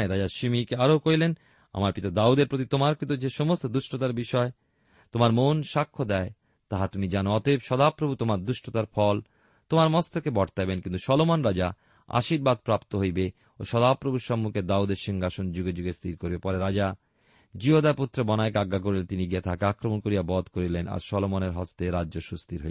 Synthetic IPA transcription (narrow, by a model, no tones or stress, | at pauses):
ɾad͡ʑaʃimikeaɾokojlen | a̰maɾpit̪ad̪aud̪eɾpɾot̪̬it̪omaɾkit̪̬od͡ʑeʃomost̪od̪uʃʈʰot̪aɾbiʃɔe | t̪omaɾmonʃakʰːod̪ɛe | t̪aɦat̪umid͡ʑanoɔt̪ebʃɔd̪apɾobʱut̪omaɾd̪uʃʈʰot̪aɾfɔl | t̪omaɾmɔst̪ʰokebɔʈt̪ajbenkint̪uʃɔlomonɾad͡ʑa | a̰ʃiɾbad̪̚pɾapt̪oɦojbe | oʃɔd̪apɾobʱuɾʃɔmːukʰed̪aud̪eɾʃiŋɡaʃond͡ʑuɡed͡ʑuɡest̪ʰiɾkoɾbepɔɾeɾad͡ʑa | d͡ʑiod̪aput̪ːɾobɔnaekaɡːak̬oɾilet̪iniɡiet̪ʰakeakɾomonkoɾijabɔd̪koɾilenʔa̰ɾʃɔlomoneɾɦɔst̪eɾadːoʃust̪iɾɦoj